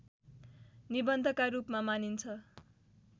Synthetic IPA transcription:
nibʌnd̪ʱʌkaɾupmamanint͡sʰʌ

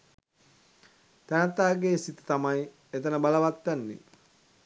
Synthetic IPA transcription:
t̪ænət̪aːɡeːsit̪ə̥t̪amaj | et̪ənəbaləʋat̪ːænːḛ

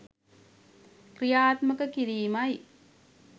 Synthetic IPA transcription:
kɾijaːt̪mɐkɐkiɾiːmɐj

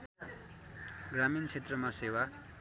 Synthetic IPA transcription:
ɡramint͡sʰet̪rʌmasewa

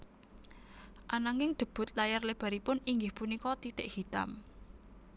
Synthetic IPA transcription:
ʔanaŋɪŋɖ̪̥ə̤b̥ʊ̤t̪̚lajarleb̥a̤ɾipʊniŋɡɪhpunikɔt̪it̪ɪʔhit̪a̰m

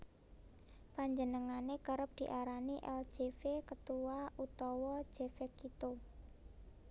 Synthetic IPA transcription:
paɲd͡ʒənəŋanekəɾəp̚d̪̥i̤ʔaɾaniʔɛ̰l̥ʒ̥efekət̪uwaʔut̪ɔwɔ̥ʒ̥efekit̪o

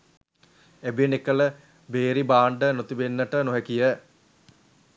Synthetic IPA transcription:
ebinekələ | beːɾibaːɳɖənot̪ubenːəʈənoɦekijə

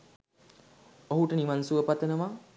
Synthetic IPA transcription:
oɦuʈəniʋansuəpat̪ʋenəʋa

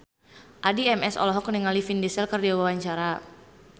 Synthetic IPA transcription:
ʔadiɛmɛsɔ̰lɔɦɔkniŋalifindɛsɛlkərdawawaɲt͡ʃaɾa

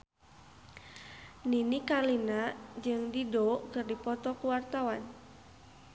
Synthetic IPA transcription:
ninikalinad͡ʒɨŋdidɔkɨrdipɔt̪ɔkuwart̪awan

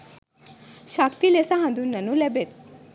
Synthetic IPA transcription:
ɕakt̪ilesaɦãnd̪unːɐnulɛbet̪̚

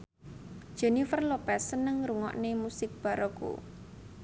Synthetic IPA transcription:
d̥ʒ̥ɛ̤nifərlopɛsənəŋɾuŋɔ̰ʔnemusɪk̚b̥ä̤ɾɔko̰

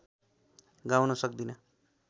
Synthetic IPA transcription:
ɡawnʌsʌk̚d̪inʌ

